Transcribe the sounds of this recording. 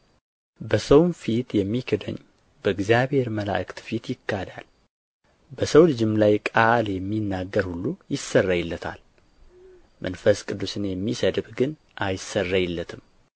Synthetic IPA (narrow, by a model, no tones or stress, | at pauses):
bəsəwnfit̪jɛmːikʰɨd̪ə̰ɲː | bəɨɡzjaβhe̞ɾməla̰ʔkt̪fit̪jɪkːad̪a̰l | bəsəwlɨd͡ʒɪmlajkʼaljɛmːinːaɡːəɾhulːujɪsːərːajɪlːət̪ʰa̰l | mʔənfəskʼɨd̪ːusɨnjɛmːisəd̪bɡɨn | ʔajsərːajɪlːət̪ʰɨm